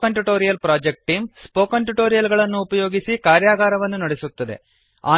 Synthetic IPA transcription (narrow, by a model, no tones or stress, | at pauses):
ɐɳʈuʈo̞ːɾijɐlpɾaːd͡ʒek̚ʈʈːiːmspoːkɐɳʈuʈo̞ːɾijɐlɡɐɭɐnːuːpɐjo̞ːɡisikaːɾjaːɡaːɾɐʋɐnːunɐɽesut̪ːɐd̪ḛ | a̰ː